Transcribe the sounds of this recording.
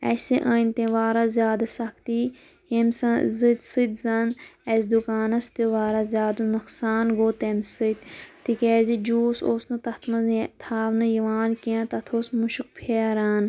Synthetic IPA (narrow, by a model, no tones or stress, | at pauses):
ɛ̰siʔɐːnʲt̪ẽʋaːɾazʲjaːd̪asɐkt̪i | hemsɐzɨt̪sɨt̪zɐnɛsd̪ukaːnɐst̪iʋaːɾazʲjaːd̪unɐksaːnɡoːt̪emɨt̪t̪ikɛːzid͡ʒuːsoːsnɨt̪ɐt̪ʰmɐzt̪ʰaːʋnɨjiʋaːnkiãːt̪ɐt̪ʰoːsmuʃuk̚pʰeːɾaːn